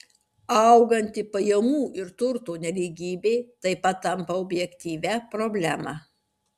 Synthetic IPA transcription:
ɐˑʊɡɐnʲt̪ʲɪpɐjɛmuːʔɪɾt̪ʊɾt̪oːnʲɛlʲiːɡʲiːbʲeːt̪ɐɪpɐt̪ːɐmpɐɔbʲjɛkʲt̪ʲiːʋʲæpɾoːbʲlʲæːmɑː

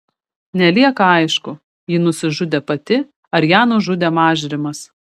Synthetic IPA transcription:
nʲɛlʲiɛkɐɐɪʃkʊ | jɪnʊsʲɪʒʊd̪ʲeːpɐt̪ʲɪ | ɐɾjæːnʊʒʊd̪ʲemɑːʒʲɪɾʲɪmɐs

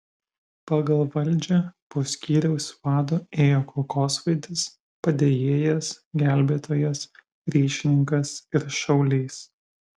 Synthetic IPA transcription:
pɑɡɐlˠʋɐlʲˑd͡ʒʲɛpoːsʲkʲiːɾʲɛʊsʲʋɑːd̪oːeːjoːkɔlˠkoːsʋɐɪd̪ʲɪs | pɐd̪ʲeːjeːjɛsɡʲæˑlʲbʲeːt̪oːjɛs | ɾʲiːʃʲɪnʲɪŋkɐsɪɾʃɐʊlʲɛɪs

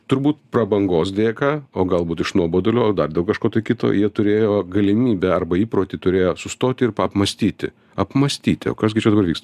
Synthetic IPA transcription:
t̪ʊɾbuːt̪prɐbɐŋɡoːs̬d̪ʲeːkɑːoːɡɐlˠbuːt̪ɪʃnuɔboːd̪olʲoːd̪ɐrd̪ʲeːlˠkɐʃkoːt̪ɐɪkʲɪt̪o̰jiɛt̪ʊɾʲeːjoːɡɐlʲɪmʲiːbʲɛɐrbɐiːpɾoːt̪ʲɪt̪ʊɾʲeːjoːsʊst̪oːt̪ʲɪɪrpɐpmɐsʲt̪ʲiːt̪ʲɪ̰ | ɐpmɐsʲt̪ʲiːt̪ʲɪo̰ːkɐsɡʲɪt͡ʃʲɛd̪ɐbɐɾʋʲiːkst̪ɐ

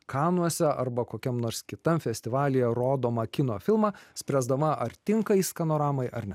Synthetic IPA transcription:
kɑːnuɔsʲɛʔɐɾbɐkoːkʲɛmnoːɾskʲɪt̪ɐmfʲɛsʲt̪ʲɪʋɑːlʲɪjɛɾoːd̪oːmɐkʲɪnoːfʲɪlˠmɑːsʲpʲɾʲæzd̪ɐmɐʔɐɾt̪ʲɪŋkɐɪskɐnoːɾɑːmɐɪʔɐɾnʲɛ

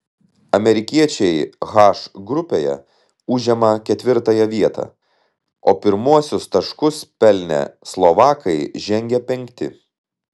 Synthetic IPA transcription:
ɐmʲɛɾʲɪkʲiɛt͡ʃʲɛɪɣɑːʃɡɾʊpʲeːjɛ̰ | ʊʒʲɛmɐkʲɛt̪ʲʋʲɪɾt̪ɐjɛʋʲiɛt̪ɑ̰ː | o̰ːpʲɪɾmuɔsʲʊst̪ɐʃkʊspʲɛlʲnʲɛ̰slˠɔʋɑːkʰɐɪʒʲɛŋʲɡʲɛpʲɛŋʲkt̪ʲɪ̰

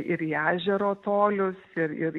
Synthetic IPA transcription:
ʔɪɾiːæːʒʲɛɾoːt̪oːlʲʊsɪɾɪɾ

